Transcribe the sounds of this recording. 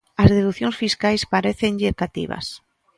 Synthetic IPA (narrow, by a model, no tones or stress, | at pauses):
ɐzðeðuθjoŋsfiskajspaɾeθeɲʎɪekat̪ḭβa̰s